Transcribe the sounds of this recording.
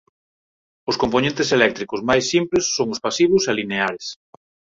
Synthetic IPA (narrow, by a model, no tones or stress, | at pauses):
ʊskomponẽnt̪eselɛk̚t̪ɾikʊzmajsːimplesːoŋʊspasiβ̞ʊsalineaɾes